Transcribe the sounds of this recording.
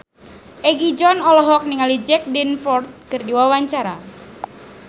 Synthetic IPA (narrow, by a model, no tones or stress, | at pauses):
ʔɛɡid͡ʒɔnɔlɔɦɔk̚niŋalid͡ʒɛk̚dɛnfɔrt̪̚kɨrdiwawaɲt͡ʃaɾa